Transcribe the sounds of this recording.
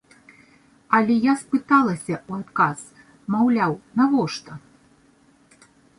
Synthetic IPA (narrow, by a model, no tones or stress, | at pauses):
ɐlʲɛjaspɨt̪alˠɐsʲɐuat̪kaz | mawlʲawnavɔʂt̪ɐ